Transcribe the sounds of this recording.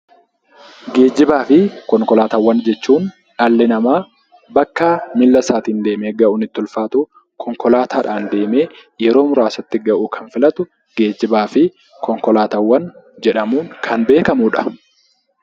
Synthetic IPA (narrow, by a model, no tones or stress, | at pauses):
ɡe̞ːd͡ʒɪbaːfɪkɔŋkɔlaːt̪ɐwːɐnd͡ʒɛt͡ʃːuːn | ᶑɐlːɛnɐmaː | bɐkːaːmɪlːɐsaːt̪iːnd̪e̞ːmeːɡɐʔʊnɪt̪ːʊlfaːt̪uː | kʰɔŋkɔlaːt̪ʰaːᶑaːnd̪e̞ːme̞ːjɛɾo̞ːmʊɾaːsɐt̪ːɪɡɐʔuːkʰɐnfɪlɐt̪ʊ | ɡ̥e̞ːd͡ʒːɪbaːfɪ | kɔŋkɔlaːt̪ɐwːɐn | d͡ʒɛᶑɐmuːŋkʰɐnbe̞ːkɐmʊᶑɐ̥